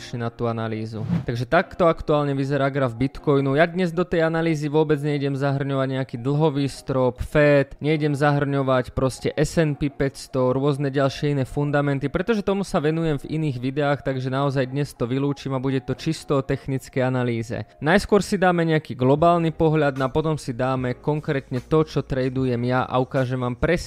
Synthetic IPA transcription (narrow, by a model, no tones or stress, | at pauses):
t͡ʃɲɛnat̪uːanaliːzut̪aɡʒɛt̪akt̪ɔakt̪uaːlɲɛʋizɛɾaːɡɾavbit̪kɔjnujad̪ɲɛzd̪ɔt̪ɛjanaliːziʋʊɔbɛd͡zɲɛiɟɛmzaɦr̩ɲɔʋaɟɲɛakiːd̪l̩ˠɦɔʋiːst̪ɾɔpfɛːt̪ɲɛiɟɛmzaɦr̩ɲɔʋacpɾɔscɛʔɛsɛnpipɛcst̪ɔɾʊɔznɛɟalʃɪɛinɛːfund̪amɛnt̪ipɾɛt̪ɔʒɛt̪ɔmusaʋɛnujɛmvḭniːɣʋid̪ɛaːxt̪aɡʒɛnaɔzajd̪ɲɛst̪ɔʋiluːt͡ʃiːmabuɟɛt̪ɔt͡ʃist̪ɔːt̪ɛxnit͡skɛjanaliːzɛ̰najskʊɔɾsid̪aːmɛɲɛakiːɡlɔbaːlnipɔɦʎad̪nɔapɔt̪ɔmsid̪aːmɛkɔŋkɾɛːt̪ɲɛt̪ɔt͡ʃɔt̪ɾɛjd̪ujɛmjaʔa̰ukaːʒɛmʋaːmpɾɛs